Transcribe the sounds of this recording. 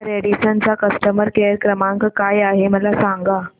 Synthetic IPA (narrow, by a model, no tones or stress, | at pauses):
ɾeɽisənt͡sakəsʈəməɾkeəɾkɾəmãŋkkajaɦeməlasaŋɡa